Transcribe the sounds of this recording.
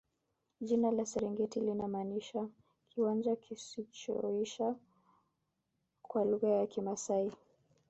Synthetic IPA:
ʄinalasɛɾiŋɡɛtilinamaniʃa | kʰiwand͡ʒakisit͡ʃɔ̰iʃa | kwaluɣajakimasai

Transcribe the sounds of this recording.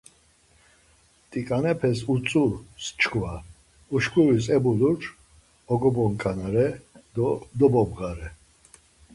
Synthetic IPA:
t̪ʼikʼanɛpʰɛsut͡sʼust͡ʃkʰva | uʃkʼuɾisɛbuluʈ͡ʂ | ɔɡɔbɔŋkʼanaɾɛ | d̪ɔbɔbɣaɾɛ

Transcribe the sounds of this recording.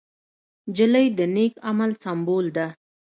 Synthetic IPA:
d͡ʒələjd̪ənekamalsambold̪a

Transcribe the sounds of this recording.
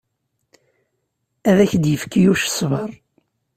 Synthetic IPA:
æðæçd̪jəfkːijuʃsvəɾˤ

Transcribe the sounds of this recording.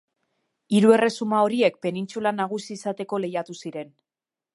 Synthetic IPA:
iɾue̞re̞sumao̞ɾie̞k̚pe̞nint͡sulanaɣ̞usiːsat̪e̞ko̞le̞jat̪usiɾe̞n

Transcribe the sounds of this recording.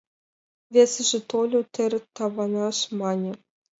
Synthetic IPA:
vʲesʲɘ̆ʐɘ̆t̪olʲot̪ʲɘ̆ɾʲɘ̆t̪ːɑʋɑnɑʂmɑnʲɘ̆

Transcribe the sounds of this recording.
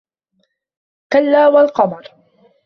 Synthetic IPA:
kalːaːwalqɑmɑɾˤ

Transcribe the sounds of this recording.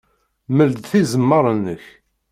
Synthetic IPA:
məld̪θizəmːəɾˤənːəç

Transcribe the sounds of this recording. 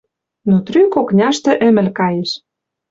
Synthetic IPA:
not̪ɾykoknʲɑʃt̪ɤ̆ʔɘ̆mɘ̆lkɑjeʃ

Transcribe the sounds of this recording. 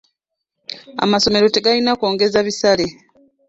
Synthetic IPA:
a̰maso̞me̞ɾo̞te̞ɡalinako̞ːŋɡe̞zaβisale̞

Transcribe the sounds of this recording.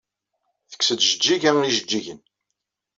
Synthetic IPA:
θə̥kːsəd̪ʒəd͡ʒːiʝæniʒəd͡ʒːiʝən

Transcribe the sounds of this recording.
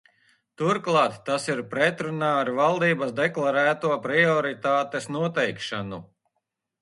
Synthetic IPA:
t̪uɾklˠɑːt̪ːasiɾpɾɛt̪ɾunaːɾvalˠd̪iːbasd̪ɛklˠaɾæːt̪uɔpɾiɔɾit̪aːt̪esnuɔt̪ɛjkʃanu

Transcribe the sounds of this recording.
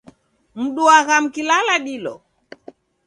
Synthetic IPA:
m̩ɗuaɣam̩kilalaɗilɔ̰

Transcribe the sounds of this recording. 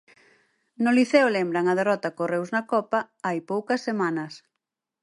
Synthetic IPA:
nʊliθewlembɾɐŋɐð̞erɔt̪ɐkorewznɐkɔpɐ | ajpowkɐsːemanɐs

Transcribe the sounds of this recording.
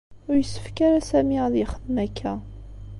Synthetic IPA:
ʊɾjəsːə̥fkaɾasæmiʁðiχəðnækʰːæ

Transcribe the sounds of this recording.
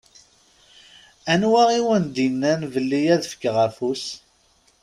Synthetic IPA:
ænwæʁiwənd̪inːænvəlːijæðəfə̥kːʁæfus

